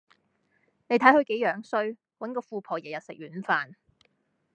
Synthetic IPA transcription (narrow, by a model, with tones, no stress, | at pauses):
ne˨˧jt̪ʰjhɵ˧ɥke˨˥jœː˨˥ŋsɵ˥ɥ | wɐ˨˥nkɔː˧fuː˨˧pʰɔː˨˩jɛː˨˩jɐ˨t̚sɪ˨k̚ɥyː˨˥nfaː˨˧n